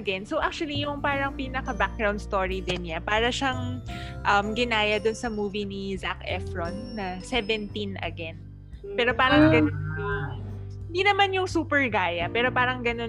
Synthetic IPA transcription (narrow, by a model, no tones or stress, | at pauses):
ʔɐɡɛnsoʔak̚t͡ʃʊɐlijʊŋpaːɾɐŋpiːnɐkɐbak̚ɡɾaw̃nd̪st̪oːɹid̪ɪnɲapaːɾɐʃaŋʔɐmɡɪnaːjɐd̪ʊnsɐmuːvinizakʔɛ̰fɹonːɐsɛvɛnt̪inʔɐ̰ɡɛn | pɛːɾo̞paːɾɐŋɡɐn | ɪnd̪inɐmanjʊŋsuːpɛɹɡaːjɐpɛːɾo̞paːɾɐŋɡɐno